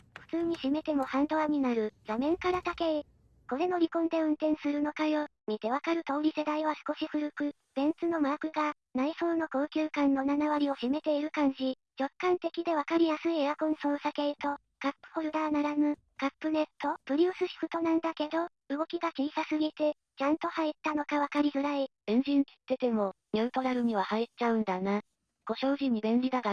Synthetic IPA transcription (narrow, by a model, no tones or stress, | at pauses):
ɸɯ̟̥t͡sɨːɲ̟iɕime̞t̪e̞mo̞hãnd̪o̞aɲ̟inaɾɯ̟ɡamẽ̞ŋkaɾat̪ake | ko̞ɾe̞no̞ɾʲikõ̞nd̪e̞ɯ̟̃nt̪ẽ̞ɰ̃sɨɾɯ̟no̞kajo̞ | mit̪e̞βakaɾɯ̟t̪o̞ːɾʲise̞d̪aiβasɨ̥ko̞ɕiɸɯ̟ɾɯ̟kɯ̟ | b̥ẽ̞nt͡sɨno̞maːkɯ̟ɡa | naiso̞ːno̞ko̞ːkʲɨːkãnːo̞nanaβaɾʲio̞ɕime̞t̪e̞iɾɯ̟kãɲ̟d͡ʑi | t͡ɕo̞kːãnt̪e̞kʲid̪e̞βakaɾʲijasɨieɾakõ̞ɰ̃so̞ːsake̞ɯt̪o̞ | kapːɯ̟̥ho̞ɾɯ̟d̪anaɾamɯ̟ | kapːɯ̟ne̞t̪ːo̞pɯ̟ɾʲɨːsɨɕi̥kɯ̟t̪o̞nãnd̪ake̞d̪o̞ | ɯɡo̞kʲiɡat͡ɕiːsasɨɡʲit̪e̞ | t͡ɕãnt̪o̞hait̪ːano̞kaβakaɾʲizɨɾai | ẽ̞ɲ̟d͡ʑĩŋkʲi̥t̪ːe̞t̪e̞mo̞ | mʲeːt̪o̞ɾaɾɯ̟ɲ̟iβ̞ahait͡ɕaɯ̟̃nd̪ana | ɡ̥o̞ɕo̞ːʑiɲ̟ːibẽ̞nɾʲid̪aɡa